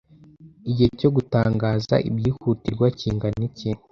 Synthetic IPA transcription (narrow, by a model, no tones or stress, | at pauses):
iɟihecoɡutaːŋɡaːza̰ʔḭbjiːhuːtiɾɡwaciːŋɡanice